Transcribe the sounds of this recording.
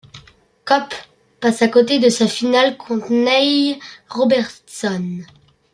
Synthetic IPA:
kɔpː | asakot̪ed̪əsafinalkʰɔ̃t̪nɛjʁɔbɛʁt̪sɔn

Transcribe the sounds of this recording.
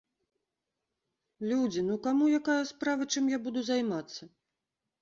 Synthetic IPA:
lʲud͡zʲinukamujakajɐspɾavɐt͡ʂɨmjabud̪uzajmat̪sːɐ

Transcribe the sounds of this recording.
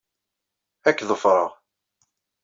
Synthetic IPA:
ækːðəfɾˤəʁ

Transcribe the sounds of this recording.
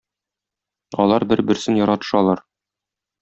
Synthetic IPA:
ɒ̰lˠɑɾbɘɾbɘ̆ɾsɘnjɒɾɑt̪ɤ̥̆ʃɑlˠɑɾ

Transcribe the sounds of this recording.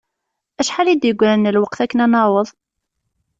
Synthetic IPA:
æʃħalid̪jəɡʷːɾænːəlwəqθækːənænɑwəðˤ

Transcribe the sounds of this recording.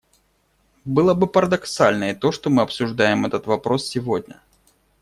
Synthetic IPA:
bɨlˠəbɨpəɾəd̪ɐksalʲnəɪt̪o̞ʂt̪omɨɐpsʊʐd̪ajɪmɛt̪ət̪vɐpɾo̞ssʲɪvo̞dʲnʲə̰

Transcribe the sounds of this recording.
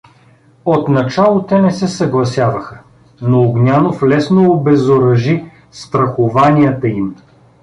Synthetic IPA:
ot̪nɐt͡ʃalˠot̪ɛnɛsɛsɐɡlˠɐsʲjavəxə | noːɡnʲanoflɛsnoːbɛzoɾɐʒi | st̪ɾɐxovanʲiət̪əim

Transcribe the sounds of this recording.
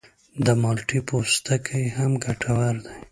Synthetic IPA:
d̪əmalʈipost̪akʰəjhamɡaʈʰawaɾd̪aj

